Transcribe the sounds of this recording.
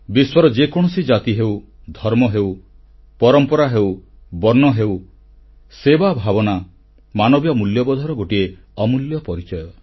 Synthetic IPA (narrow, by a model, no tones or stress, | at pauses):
biswɔɾɔd͡ʒekɔɽ̃ɔsid͡ʒat̪iɦew | d̪ʱɔɾmɔɦew | pɔɾɔmpɔɾaɦew | bɔɾnɔɦew | sebabʱabɔna | manɔbjɔmuljɔbɔd̪ʱɔɾɔɡoʈieɔmuljɔpɔɾit͡ʃɔjɔ